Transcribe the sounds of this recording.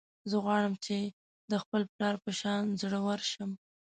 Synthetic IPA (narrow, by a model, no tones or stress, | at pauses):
zəɣwɑɽəmt͡ʃe | d̪əxpəlplɑɾpəʃɑnzɽəwəɾʃəm